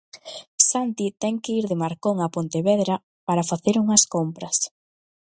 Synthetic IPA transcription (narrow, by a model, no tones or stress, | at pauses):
sant̪it̪ɛŋkɪiɾðɪmaɾkoŋapont̪eβɛðɾɐ | paɾɐfaθeɾuŋɐskompɾɐs